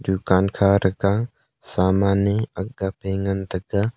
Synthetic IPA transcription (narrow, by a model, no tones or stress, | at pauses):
d̪ukankʰaɾɐɡa | samaniɐɡapeŋɐnt̪ɐɡa